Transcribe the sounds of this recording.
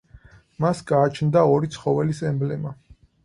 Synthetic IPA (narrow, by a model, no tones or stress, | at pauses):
masɡaːt͡ʃʰnd̪aɔɾit̪sʰχɔvɛlisɛmblɛma